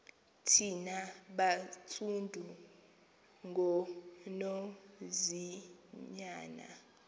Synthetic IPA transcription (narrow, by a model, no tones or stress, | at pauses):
tʰinaɓat͡sʰundʱu | ŋɡʱɔnɔziɲaːna̰